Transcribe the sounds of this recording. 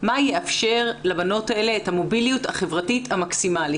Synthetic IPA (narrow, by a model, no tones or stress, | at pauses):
majeʔafʃe̞ʁlabano̞tae̞le̞ethamo̞bilijuthaχe̞vʁatithamaksimali